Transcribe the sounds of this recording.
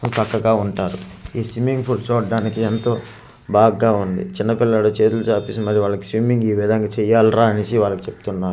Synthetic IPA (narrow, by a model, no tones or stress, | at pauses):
tɐkːɐɡaːuɳʈaːɾuiːsʋimiŋɡpʰult͡ʃoːɖːaːnikient̪o̞ː | baːɡaːund̪ḭt͡ʃinːɐpilːɐloːt͡ʃe̞ːt̪ulut͡ʃaːpisimɐɾiʋaːɭːɐki̥sʋimiŋɡiːʋid̪ʱɐŋɡaːt͡ʃɛjaːlɾaːɐnisiʋaːɭːɐkit͡ʃepu̥t̪unːaːɾ